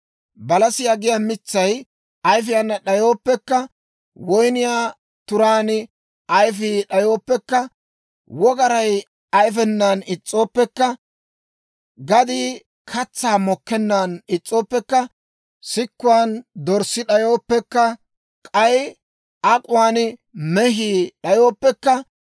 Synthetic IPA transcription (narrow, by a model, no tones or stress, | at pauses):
bɐlɐsɪjaɡɪjamɪt͡sːɐj | ɐjfɪjɐnːɐɗɐjo̞ːpːɛkːɐ | wɔjnɪjaː | t̪ʊɾaːnɪ | ɐjfɪɗɐjo̞ːpːɛkːɐ | wɔɡɐɾɐj | ɐjfɛnːaːnɪt͡sʼːo̞ːpːɛkːɐ | ɡɐd̪i | kʰɐt͡sːaːmɔkːɛnːanɪt͡sʼːo̞ːpːɛkːɐ | sɪkːʊwaːnd̪ɔɾsɪɗɐjo̞ːpːɛkːɐ | kʼɐj | ʔɐkʼʊwaːnɪmɛɦiːɗɐjo̞ːpːɛkːɐ